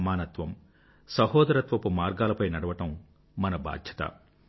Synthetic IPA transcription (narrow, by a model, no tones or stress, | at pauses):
maːnɐt̪ʋɐm | sɐɦɔːd̪ɐɾɐt̪ʋɐpumaːɾɡaːlɐpɐjnɐɽɐʋɐʈɐmː | ɐnɐba̰ːd̪ʱjɐ̥t̪ɐ̰